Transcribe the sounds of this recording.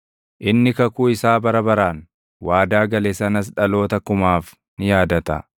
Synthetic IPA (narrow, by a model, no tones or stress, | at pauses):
ʔɪnːɪkɐkuːɪsaːbɐɾɐbɐɾaːn | waːd̪aːɡɐlesɐnɐs̬ᶑɐlo̞ːt̪ɐkʊmaːf | nɪjaːd̪ɐt̪ɐ̰